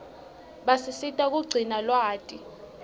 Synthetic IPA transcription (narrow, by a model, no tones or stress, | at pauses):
ɓasisitʼak̬ʼuɡ͡ǀʱinalwaːtʼi